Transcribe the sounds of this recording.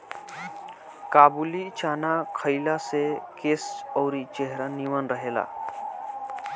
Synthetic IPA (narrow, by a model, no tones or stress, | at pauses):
kabulit͡ɕanakʰəjlasekesəwɾit͡ɕeɦɾəniʋənɾəɦela̰